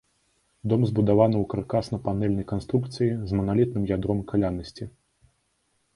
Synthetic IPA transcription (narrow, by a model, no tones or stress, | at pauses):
d̪ɔmzbud̪avanɨwkarkasnɐpanɛlʲnɐjkanst̪ɾukt̪sɨjizmɐnalʲit̪nɨmjad̪ɾɔmkalʲanɐsʲt͡sʲi